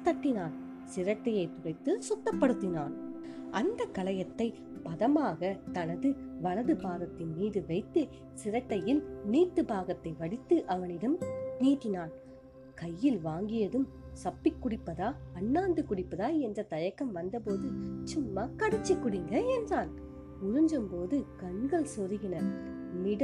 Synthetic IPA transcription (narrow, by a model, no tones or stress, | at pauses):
t̪ɐʈːɪnaːn | sɪɾɐʈːɐjɐɪt̪ʊrɐɪt̪ːɯsʊt̪ːɐpːɐɽɯt̪ːɪnaːn | ʔɐnd̪ɐkːɐlɐjɐt̪ːɐɪ | pɐðɐmaːɣɐt̪ɐnɐðɯʋɐlɐðɯbaːɣɐt̪ːɪnmiːðɯʋɐɪt̪ːɯ | sɪɾɐʈːɐjɪlniːt̪ːɯbaːɣɐt̪ːɐɪʋɐɽɪt̪ːɯʔɐʋɐnɪɽɐmniːt̪ːɪnaːn | kɐjːɪlʋaːŋɡɪjɐðɯm | sɐpːɪkːʊɽɪpːɐðaːɐnːaːnd̪ɯkʊɽɪpːɐðaːɛndrɐt̪ɐjɐkːɐmʋɐnd̪ɐpoːðɯt͡ʃʊmːaːkɐɽɐt͡ʃːɪkːʊɽɪŋɡɐɛndraːn | mʊɾɯɲd͡ʒɯmpoːðɯkɐɳɡɐɭsɔɾɯɣɪnɐmɪɽɐ